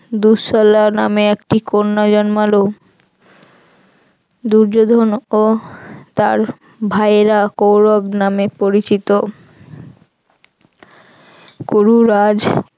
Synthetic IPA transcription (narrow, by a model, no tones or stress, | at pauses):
d̪uʃɔlanameekʈikonːad͡ʑɔnmalo | d̪uɾd͡ʑod̪ʱonot̪aɾ | bʱajeɾakowɾobnamepoɾit͡ɕit̪o | kuɾuɾad͡ʑ